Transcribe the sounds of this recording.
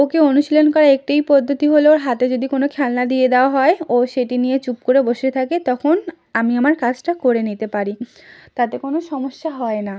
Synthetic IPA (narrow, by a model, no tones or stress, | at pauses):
okeonuʃilonkɔɾaek̚ʈajpɔd̪ʱːot̪iɦoleoɾɦat̪ed͡ʑod̪ikonokʰɛlnad̪ijed̪eoaɦɔeoʃeʈinijet͡ɕup̚koɾeboʃet̪ʰaket̪ɔkʰon | amiamaɾkad͡ʑʈakoɾenit̪epaɾi | t̪at̪ekonoʃɔmoʃːaɦɔena